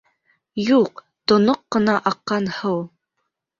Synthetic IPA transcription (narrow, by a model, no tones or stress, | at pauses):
juq | t̪onoqːə̆nɑʔɑqːɑnhɤw